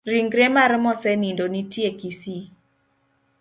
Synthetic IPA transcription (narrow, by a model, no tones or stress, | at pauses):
ɾiŋɡɾemaɾmɔsɛnindonitjekisi